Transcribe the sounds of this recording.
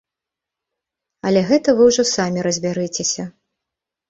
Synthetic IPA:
ɐlʲɛɣɛt̪ɐvɨwʐɔsamʲiɾɐzʲbʲaɾɨt͡sʲesʲɐ

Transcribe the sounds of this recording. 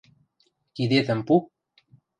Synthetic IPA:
kid̪et̪ə̆mpu

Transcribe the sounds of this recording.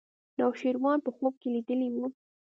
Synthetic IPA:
nɑwʃiɾwɑnpəxob̚kelid̪əlimu

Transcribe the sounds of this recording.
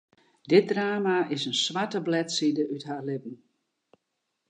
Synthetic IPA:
dɪt̚draːmaɪsənsʋatəblɛtsidəʔytɦaːrlɪp̚n̩

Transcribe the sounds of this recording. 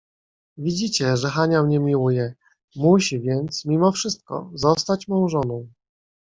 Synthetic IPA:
vʲid͡ʑit͡ɕɛʐɛxaɲamɲɛmʲiwujɛ | muɕivʲjɛnt̪smʲimɔfʂɘst̪̚kɔ̰zɔst̪at͡ɕmɔ̃w̃ʐɔnɔ̃w̃

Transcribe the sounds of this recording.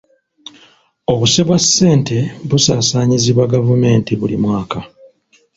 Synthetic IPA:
o̞βuseβwasːe̞ːntʰe̞βusaːsaːɲiziβwaɡavume̞ːntiβulḭmwaːka

